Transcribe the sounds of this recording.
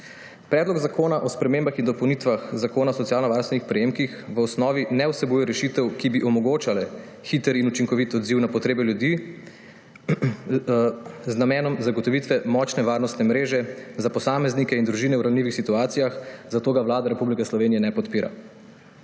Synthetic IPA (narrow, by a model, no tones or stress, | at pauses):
pɾɛːd̪lɔɡzakoːnaʔɔspɾɛmeːmbaxind̪ɔpɔwnit̪ʋaxzakoːnasɔt̪sijaːlnɔʋaːɾst̪ʋɛnixpɾɛjeːmkixʋəɔsnɔːʋinɛwsɛbuːjɛɾɛʃit̪ɛwkibiʔɔmɔɡoːt͡ʃalɛ | xit̪əɾinut͡ʃiŋkɔʋit̪ɔd̪ziwnapɔt̪ɾeːbɛljud̪i | znamɛːnɔmzaɡɔt̪ɔʋit̪ʋɛmɔt͡ʃnɛʋaːɾnɔst̪nɛmɾeːʒɛzapɔsaːmɛznikɛind̪ɾuʒiːnɛwɾawnliːʋixsit̪uaːt̪sijaxzat̪oːɡaʋlaːd̪aɾɛpublikɛslɔʋeːnijɛnɛpɔt̪piːɾa̰